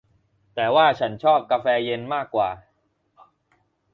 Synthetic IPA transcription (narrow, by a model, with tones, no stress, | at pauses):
t̪ɛː˨˩waː˥˩t͡ɕʰa˦˥nt͡ɕʰɔː˥˩p̚ka˧fɛː˧je˧nmaː˥˩kːwaː˨˩